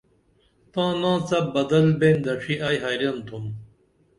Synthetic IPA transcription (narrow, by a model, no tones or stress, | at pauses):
t̪ãːnãːt͡sɐbɐd̪ɐlbẽːnd̪ɐʂiʔaːjɦaːjɾɐnt̪ʰum